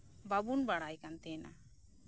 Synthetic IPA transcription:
babunbaɽajkant̪ɛna̰

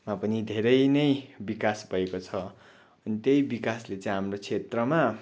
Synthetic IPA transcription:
mapʌnid̪ʱeɾʌjnʌjbikasbʱʌekot͡sʰʌ | ʌnit̪jʌjbikaslet͡sʌ̃j̃ɦamrot͡sʰet̪rʌma

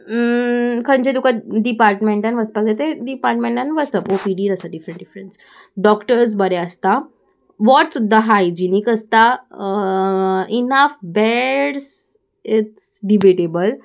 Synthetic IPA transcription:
kʰə̃ɲd͡ʑed̪ukaɖipaɾʈmẽɳʈãnʋəspaket̪eɖipaɾʈmẽɳʈãnʋəsəpopiɖiːɾəsaɖifɾə̃ɳʈɖifɾəns | ɖɔkʈəɾs̬bəɾeəst̪a | ʋɔʈsud̪ʱːaɦajd͡ʒinikəst̪a | inəfbɛɽs | ɪʈsɖibeʈebəl

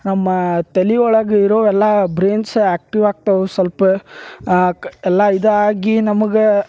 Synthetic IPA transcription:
nɐmːɐt̪eliɔɭɐɡeiɾoːʋɛlːɐbɾeːnsaːk̚ʈiʋaːɡ̚t̪ɐʋusɐlpɐ | ɛlːɐid̪ɐaːɡinɐmɐɡe

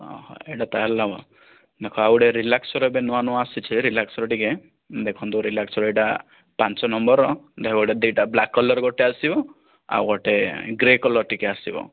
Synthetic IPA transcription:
ɔ̰hɔ̰̃eʈat̪aallabɔ̰ | d̪ekʰɔawɽeɾilaksɔɾɔbenɔanɔasit͡ʃʰiɾilaksɔɾɔʈike | d̪ekʰɔnt̪ɔɾilaksɔɾɔeʈa | pant͡ʃɔnɔmbɔɾɔd̪ekʰɔɽed̪iʈablakːɔlɔɾɡɔʈeasibɔ | a̰ɡɔʈeɡɾekɔlɔɾʈikeasibɔ̰

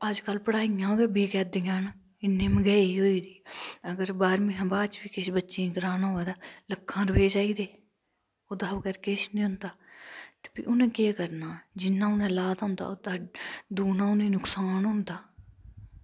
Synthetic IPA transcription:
əd͡ʒkəlpəɽaːijãːɡəbiːkɛːd̪ɪjãːn | ɪnːẽːməɡɛːiːɦoːiːd̪iːəɡəɾbaːɾmĩːɦə̃baːt͡ʃbiːkɪʃbətːʃĩːɡɾaːnaːɦoːd̪aːləkʰːãːɾəʋeːd͡ʒaːiːd̪eː | oːd̪aːkəɾkɪʃnĩːɦʊ̃nd̪aːt̪e̥pḭːʔʊnẽːkeːkəɾnaːd͡ʒɪnːãːʊnẽːlaːd̪ɦʊ̃ːnd̪a̰ːod̪aːd̪uːnãːʊnĩːnʊksaːnɦʊ̃ːnd̪aː

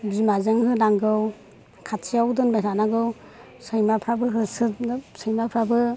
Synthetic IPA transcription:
bimazɯŋhɯnaŋɡɯw | kʰatʰijawdɯnbatʰanaɡɯw | sɯjmapʰɾabɯɦɯsɯtsɯjmapʰɾabɯ

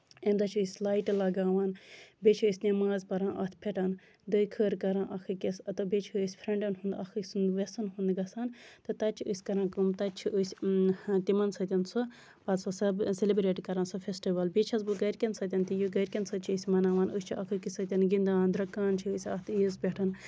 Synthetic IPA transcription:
end̪ɐt͡ʃʰɨsʲlaːjʈlɐɡaːʋaːnbet͡ʃʰiɨsʲnemaːzpɐɾãːʔɐt̪ʰpʰeʈaːn | d̪ɨjkʰəːɾkɐɾãːʔɐkʰɨkesɐt̪obet͡ʃʰːsʲpʰɾeɳɖɐnɦund̪ɐkʰɨsund̪ʋesɐnɦund̪ɡɐsaːnt̪ɨt̪ɐt͡ʃʰiɨsʲkɐɾãːkumt̪ɐt͡ʃʰiusʲt̪imɐnsɐt̪ʲɐnso | pɐt̪sɐsɐbselibɾeːʈkɐɾãnsopʰʲesʈiʋɐlbit͡ʃʰɐzbuɡɐɾkʲɐnsɐt̪ʲɐnt̪ijuɡɐɾʲkʲɐnsɐt͡ʃʰiːsʲmɐnaːʋaːnust͡ʃʰiʔɐkʰɨkisɐt̪ʲɐnɡind̪aːnd̪ɾɐkːaːnt͡ʃʰiːsʲɐt̪ʰizpʲeʈʰɐn

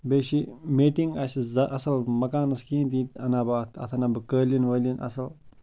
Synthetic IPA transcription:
beːɕimeːʈiŋɡasizɐʔɐsɐlmɐkaːnɐskĩːnt̪it̪ɐnabɐt̪ʰɐ̰t̪ʰɐnabɐkəːlinʋəlinɐ̰sɐl

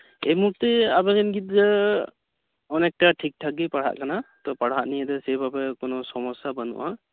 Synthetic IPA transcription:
emuk̚t̪ɛabɛɡɛnɡit̪̚zɛ | ɔnɛk̚ʈaʈʰik̚tʰaɡ̚ipaɽ̤a̰ʔkanat̪ɔpaɽ̤aʔnijad̪ɛsɛbʱabɛkɔnɔsɔmɔsabanṵʔa

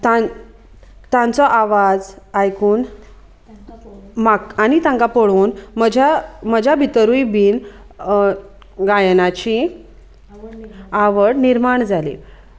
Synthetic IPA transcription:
t̪a | t̪ãnt͡sɔʔaʋad͡zajkuːn | makanit̪ãŋkapəɽuːnməd͡ʑʱaməd͡ʑʱabʱit̪əɾujbiːn | ɡajnat͡ɕi | aʋəɽniɾmaɳd͡zalḭ

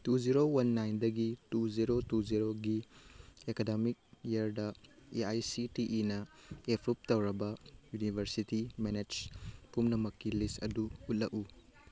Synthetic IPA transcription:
tud͡ʒiɾowɐnːajndɐɡituziɾotud͡ʒiɾoɡi | ekademik̚iɐɾdɐeajsitiʔinɐepʰɾup̚tɐwɾɐbɐjunibʱɐɾsitimened͡ʒpumnɐmɐkːilistɐ̰duut̚lɐku

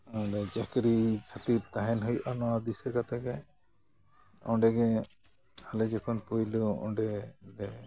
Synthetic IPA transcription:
ɔwɖɛd͡ʒakɾit͡ʃʰat̪it̪aɦɛnɦujʔanɔwad̪isɛkat̪aɡɛ | ɔ̃ɖɛɡɛ | alɛd͡ʒɛkʰɔnpujluɔ̰̃ɖɛdɛ

